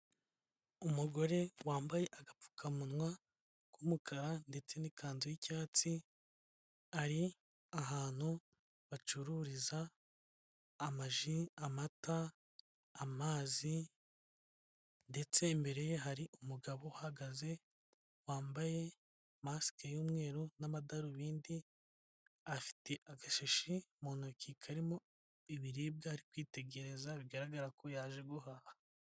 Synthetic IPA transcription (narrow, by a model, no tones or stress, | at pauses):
umuɡo̞ɾe̞waːmbaje̞ʔaɡapfu̥kʰamunwa | kumukʰaɾande̞t͡se̞nikʰaːnziicaːt͡si | aɾi | aɦaːn̥hu | βat͡ʃuɾuɾiza | maʒiamataː | maːzi | nde̞t͡se̞mbe̞ɾe̞jeɦaɾiʔumuɡaβo̞haɡaze̞ | waːmbaje̞ | masi̥kejuːmŋe̞ːɾonaβadaɾuβiːndi | afi̥te̞ʔaɡaʃeʃimoːnokikʰaɾimo̞ | iβiɾiːb̚ɡahaɾikwiːte̞ɡe̞ɾe̞zaβiɡaɾaɡaɾakojaːʒe̞ɡuhaha